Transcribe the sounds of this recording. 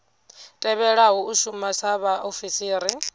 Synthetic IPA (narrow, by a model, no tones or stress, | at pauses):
tʼɛβɛɺaɦuuʃumasaβaʔofisiːɾi